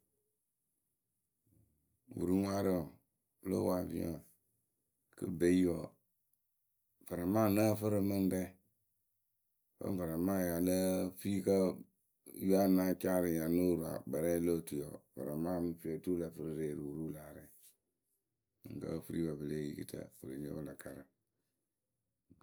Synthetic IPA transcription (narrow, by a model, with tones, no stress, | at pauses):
wṵ˨ɾu˦ŋʷa˦ɾə˦ɔ˨ | lo̰˦wa˨vḭ˦ɔ̰˨ | kɨ̰˦be˨i˦jɔ˨ | v̥a˨ɾa˨ma˦˨nə˦˨fɨ˦ɾɨ˨˧mɨ˦n˦bɛ˦ | fə̰˦n˦va˨ɾa˨ma˦˨ja˨lə˦fi˦kə˦ | ju˦a˦˨na˦t͡ʃa˦ɾɨ˨ja˨no˦ɾu˨a̰˨ba˨ɾɛ˦lo˦˨tu˨jɔ̰˨va̰˨ɾa˨maː˦mɨ˦fi˦ɔ˨tu˦la˨fɨ˦ɾɨ˦ɾeː˨ɾu˨ɾu˦laː˨ɾɛ˨ | ɨ̰˨ŋkə̰˦fɨ˦ɾḭ˦wa˨bə˨le˦˨jḭ˦˨kḭ˦tʰə̰˨fə˨ɾə˨ɲo̰˦la˨ka˨ɾə˨